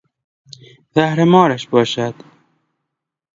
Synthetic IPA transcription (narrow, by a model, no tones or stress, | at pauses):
zahɾamɑːɾaʃbɑːʃad̪